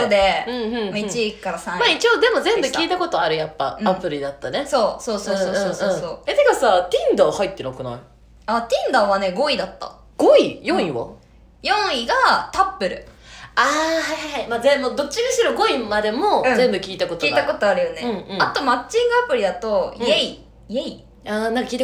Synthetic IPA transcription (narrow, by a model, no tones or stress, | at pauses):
od̪eɯ̟̃ɯ̟̃ɴmit͡ɕikːaɾasãmait͡ɕiod̪e̞mo̞zẽ̞mbɯkʲiːt̪ako̞t̪o̞aɾɯ̟japːa̰ɯ̟apɯ̟ɾʲid̪at̪ːaneso̞ːso̞ːsoːsoɯsoːsõːso̞ːed̪e̞kasat̪ʲĩnd̪ãhait̪ːenakɯna̰i | at̪ʲĩnd̪ãβane̞ɡo̞id̪at̪ːa̰ | ɡ̥oijõɰ̃iβa̰ | jõ̞ɰ̃iɡat̪apːɯ̟ɾɯ̟̰aːhaɦaɦaimazemod̪o̞t͡ɕːiɡɯɕiɾoɡo̞imad̪e̞mo̞ɯ̟̃zẽ̞mbɯ̟kʲiːt̪ako̞t̪oiːt̪ako̞t̪o̞aɾɯ̟joneɯ̟̃ɴɯ̟̃at̪o̞mat͡ɕĩŋɡɯ̟apɯ̟ɾʲid̪at̪o̞ijei | iei | aːnãŋkakʲiːt̪a